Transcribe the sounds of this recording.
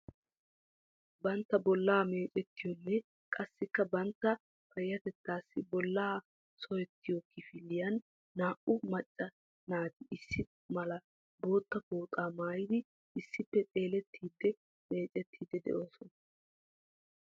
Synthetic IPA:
bɐnt̪ːɐbɔlːaːme̞ːt͡ʃʼɛt̪ːɪjɔnːɛ | kʼɐsːɪkːɐbɐnt̪ːɐ | pɐjːɐt̪ɛt̪ːaːsːɪbɔlːaː | sɔjɛt̪ːɪjɔkɪfɪlːɪjɐnː | aːʔʊmɐt͡ʃʼːɐ | naːt̪ɪɪsːɪ | mɐlɐ | bo̞ːt̪ːɐpoːt̪ʼaːmaːjɪd̪ɪ | ʔɪsːɪpːɛt͡s̪ʼe̞ːlɛt̪ːiːd̪ːɛ | me̞ːt͡ʃʼɛt̪ʰːiːd̪ːɛd̪ɛ̰ʔo̞ːsɔnɐ

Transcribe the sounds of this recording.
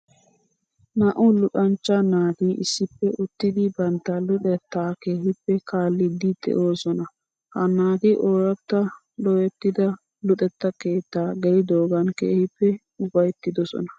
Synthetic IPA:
nɐʔʊlʊt̪ʼɐnt͡ʃːɐnaːt̪iʔɪsːɪpːɛʔʊt̪ːɪd̪ɪbɐnt̪ːɐlʊt̪ɛt̪ːaːkeːhɪpːɛkaːlːɪd̪ɪd̪ɛ̰ʔoːsɔnɐ | hɐnaːt̪ɪʔoːɾɐt̪ːɐ | lɔjɛt̪ːɪd̪ɐ | lʊt̪ʼɛt̪ːɐke̞ːt̪ːaːɡɛlɪd̪oːɡɐnkḛːhɪpːɛ | ʊbɐjt̪ːɪd̪ɔsɔ̰nɐ̥

